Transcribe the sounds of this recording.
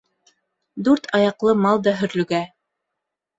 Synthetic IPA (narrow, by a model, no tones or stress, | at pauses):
d̪ʉɾt̪ʰɑjɑqlˠɤmɑlˠd̪ɑɦɵ̆ɾlɵ̆ɡæ